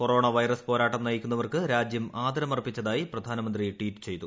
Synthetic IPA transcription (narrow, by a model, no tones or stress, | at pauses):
ko̞ro̞ːɳɐʋɐjrɐspo̞ːɾaːʈːɐmnɐjikʲːunːɐʋɐrkɨɾaːd͡ʑjɐmaːd̪ɐɾɐmɐrpːit͡ɕːɐðaːjiprɐd̪ʱaːnɐmɐnd̪rijʈwiːtːɨ̥t͡ɕe̞jt̪u